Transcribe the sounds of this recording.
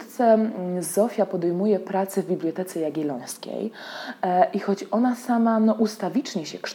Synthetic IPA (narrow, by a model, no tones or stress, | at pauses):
t̪sɛzɔfʲjapɔd̪ɛjmujɛpɾat̪sɛvbʲiblʲjɔt̪ɛt̪sɛjaɡʲilɔ̃j̃skʲḛj | ʔixɔt͡ɕɔnasamanɔʔust̪avʲit͡ʂɲɛɕɛkʂ